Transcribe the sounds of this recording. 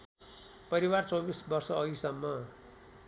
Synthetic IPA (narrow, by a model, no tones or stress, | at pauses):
pʌɾiwart͡sobisbʌrsʌʌisʌmːʌ